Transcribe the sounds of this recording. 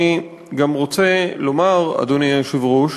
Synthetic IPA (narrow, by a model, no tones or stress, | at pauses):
i | ɡamʁot͡selo̞maʁa̰d̪oniajʃivʁuʃ